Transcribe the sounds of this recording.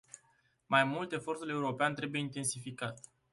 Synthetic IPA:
majmult̪e̞fo̞rt̪ule̞uɾo̞peant̪ɾe̞buje̞int̪e̞nsifikat̪

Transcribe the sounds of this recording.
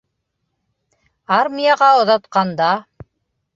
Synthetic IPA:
aɾmʲijɑʁɑŏðɑt̪qɑnd̪ɑ

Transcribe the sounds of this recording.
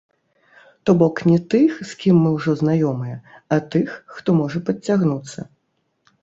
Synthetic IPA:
t̪ɔbɔknʲɛt̪ɨxskʲimːɨwʐɔznajɔmɨjɛ | ɐt̪ɨxːt̪ɔmɔʐɐpɐt͡sʲːaɣnut̪sːɐ̰

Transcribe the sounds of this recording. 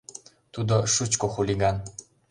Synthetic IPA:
t̪ud̪oʃut͡ɕkoxulʲiɡɑn

